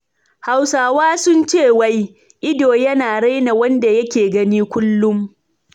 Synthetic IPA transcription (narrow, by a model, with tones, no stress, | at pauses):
ha˨wsaː˨waː˦sʊ˦nt͡ʃeː˦˨wa˦j | ʔɪ˦doː˨jɐ˦naː˨ɽa˦jna˨wɐ˦nda˨jɐ˦kʲeː˨ɡɐ˦niː˦kʷʊ˦lːʊ˦m